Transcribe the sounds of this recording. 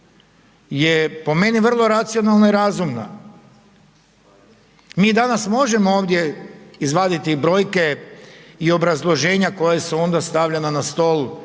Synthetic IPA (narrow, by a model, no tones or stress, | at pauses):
jepo̞me̞niʋərlˠo̞ɾat̪sijo̞nalˠnoiɾaːzumna̰ | miːd̪anasmo̞ʒe̞mooːʋd̪je̞izʋaːd̪it̪ibɾo̞ːjke̞ | io̞bɾazlˠo̞ʒe̞ːɲako̞jesuo̞nd̪ast̪aʋʎenanast̪o̞lˠu